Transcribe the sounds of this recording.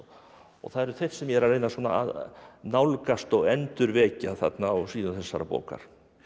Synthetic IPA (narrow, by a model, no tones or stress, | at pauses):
ɔ̰ɣθaðɛɾʏ̥θejr̥sɛmjɛɾaɾeːjnasuɔːna̰a̰ðnawlkast̪ɔɣɛnt̪ʏɾvɛːcaðθa̰t̪naɔwsiːðʏnθɛsːaɾapɔ̰ːka̰ɾ̥